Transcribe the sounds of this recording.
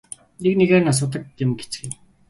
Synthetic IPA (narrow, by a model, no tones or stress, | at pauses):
nekneɣeːrnas̬ʊt̪̬ə̆k̚emɡet͡sɡi